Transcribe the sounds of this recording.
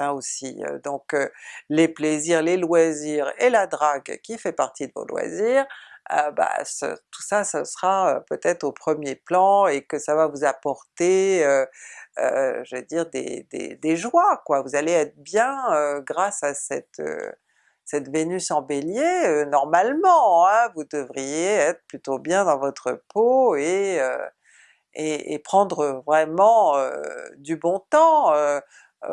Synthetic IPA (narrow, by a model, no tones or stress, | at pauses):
aosiø̰d̪ɔ̃kølepleziʁlelwaziːʁelad̪ʁaɡkʲifɛpaʁt̪id̪əvo̰lwa̰ziːʁə̰ba̰sə̰t̪u̥sasəsʁaøpøt̪ɛt̪χopχəmjeplɑ̃ekəsavavuzapɔʁt̪eøø̰ʒəved̪iʁd̪ḛd̪ḛd̪eʒwakwavuzaleɛt̪χəbjɛ̃øɡʁasasɛt̪ø̰ | sɛt̪venysɑ̃beljeønɔʁmalmɑ̃ɛ̃vud̪əvʁijeɛt̪χə̥plyt̪objɛ̃d̪ɑ̃vɔt̪χəpoeø̰ | eḛpχɑ̃d̪ʁəvʁɛmɑ̃ø̰d̪ybɔ̃t̪ɑ̃ø